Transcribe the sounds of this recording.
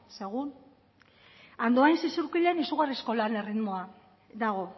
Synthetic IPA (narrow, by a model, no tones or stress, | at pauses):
se̞ɣun | and̪oajnsisuɾkiʎe̞nisuɣ̞arisko̞lane̞rid̪mo̞a | d̪aɣ̞o̞